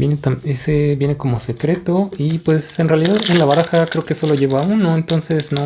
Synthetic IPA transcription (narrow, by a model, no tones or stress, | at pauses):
bjenet̪amese̞βje̞neko̞mose̞kɾe̞t̪o̞ipwe̞senrealiðaðe̞nlaβaɾaxakɾe̞okeeso̞lo̞ʝe̞βauno̞ent̪o̞nse̞sna